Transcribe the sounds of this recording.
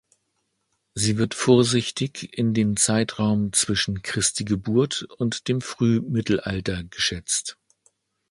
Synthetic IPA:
ziːvɪɐtfoːɐzɪçtɪçɪndeːmt͡saɪtʁaʊmt͡sv̥ɪʃn̩kʁ̥ɪstiɡəbuɐtʊntd̥eːmfʁ̥yːmɪtl̩ʔa̰ltɐɡəʃɛt͡st

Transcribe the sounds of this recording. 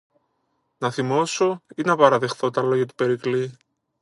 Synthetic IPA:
nɐθimo̞so̞inɐpɐɾɐðe̞xθo̞t̪ɐlo̞ʝɐt̪u̥pe̞ɾikli

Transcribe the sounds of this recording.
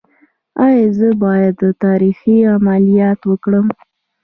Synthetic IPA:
ɑjɑzəbɑjad̪ːət̪ɑɾixiamalijɑt̪wəkɽəm

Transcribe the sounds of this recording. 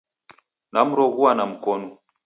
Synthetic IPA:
nam̩ɾɔɣuanam̩kɔnɔ

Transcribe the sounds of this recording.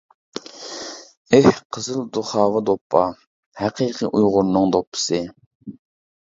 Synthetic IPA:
ehqʰəzɨlˠd̪uχɑːvɨd̪opʰːɑ | hæqʰiːqʰɨʔujʁʊɾnɨŋd̪opʰːɨ̥sɨ

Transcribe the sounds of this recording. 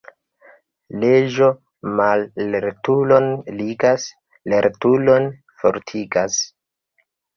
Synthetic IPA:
led͡ʒo̞ | malːeɾtulo̞nliɡas | leɾtulo̞n | fo̰ɾtʰiɡas

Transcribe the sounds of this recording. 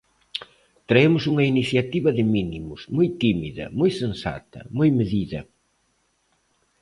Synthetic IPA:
t̪ɾɐemʊsuŋɐiniθjɐt̪iβɐðɪminimʊzmujt̪imiðɐ̰mujsẽnsa̰t̪ɐ̰mujmeðiðɐ̰

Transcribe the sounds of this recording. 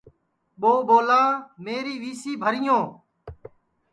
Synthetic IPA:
ɓoːɓoːlaːmeːɾiːʋiːsiːbʱəɾĩːõː

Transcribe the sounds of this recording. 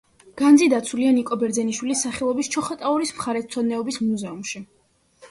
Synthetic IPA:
ɡ̥and̪zid̪at̪sʰulianikʼɔbɛɾd̪zɛniʃwilisːaχɛlˠɔbist͡ʃʰɔχɔt̪ʼauɾismχaɾɛt̪t̪sʰɔd̪nɛɔbismuzɛumʃi

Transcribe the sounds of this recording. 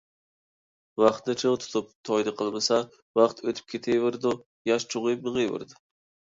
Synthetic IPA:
wɑχt̪d̪ɨt͡ʃʰewt̪ʰu̥t̪ʰup̚t̪ʰɔjd̪ɨqʰəlˠmɨsɑ | wɑχt̪ʰøt̪ʰy̥p̚kʲʰet̪ʰejvɪɾd̪u | jɑʃt͡ʃʰuʁɨjp̚nɨʁɨjvɪ̰ɾd̪ʊ

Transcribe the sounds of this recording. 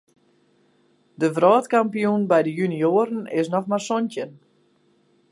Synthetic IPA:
dəvrɔːtkampijunbɛjdəjynioːɾənɪsnɔxmarsɔntən

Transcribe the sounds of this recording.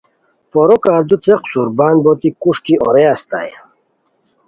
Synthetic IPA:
pɔɾɔkaɾd̪ut͡seqsuɾbaːnbɔt̪ikuʂkiʔɔɾeast̪a̰j

